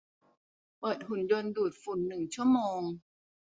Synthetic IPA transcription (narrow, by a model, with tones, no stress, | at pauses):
pɤː˨˩t̪̚hu˨˩˦njo˧nduː˨˩t̪̚fu˨˩nːɯ˨˩ŋt͡ɕʰu˥˩əmoː˧ŋ